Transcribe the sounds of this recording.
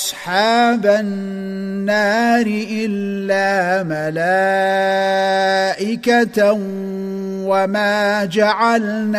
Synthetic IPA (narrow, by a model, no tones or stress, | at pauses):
ʔsˤħaːbaː | aːɾɪʔɪlːaːmalaː | ʔɪkat̪ | wamaːd͡ʒaʕal | n